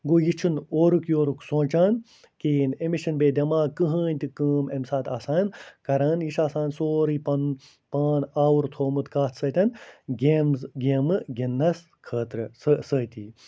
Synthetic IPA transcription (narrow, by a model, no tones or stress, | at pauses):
ɡoːjit͡ʃʰɨnoːɾukjoːɾuksõːt͡ʃaːn | kiːnemiʃɐnbeːd̪ʲɐmaːkɨɦəːnʲt̪ikəːmemsaːt̪aːsaːnkɐɾaːnjiʃaːsaːnsoːɾipɐn | paːnaːwuɾt̪ʰoːmɨt̪kaːt̪ʰsəːt̪ʲɐnɡemzɡʲemɨɡinːɐs | kʰəːt̪ɾɨsəsəːt̪ʲiː